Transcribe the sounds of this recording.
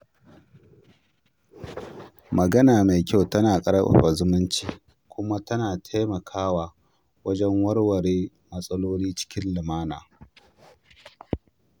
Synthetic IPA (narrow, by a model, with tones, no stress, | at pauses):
mɐ˨ɡɐ˦naː˨ma˨jkʲa˦wtɐ˦naː˨kʼɐ˦ɽɐ˦ʔʊ̰˨ɸa˨zʊ˦mʊ˦nt͡ʃiː˨ | kʷʊ˦ma˦tɐ˦naː˨tʰeː˦mɐ˨kʰaː˦waː˨ | wɐ˦d͡ʒɛ˦ŋwɐ˦ɽwɐ˨ɽeː˦ | mɐ˦sʼɐ˦loː˦liː˦t͡ʃɪ̥˦kʲɪ˦nlɪ˨maː˦naː˨